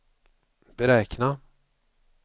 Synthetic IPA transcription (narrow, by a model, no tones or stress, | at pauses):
b̥ɛɾɛːkna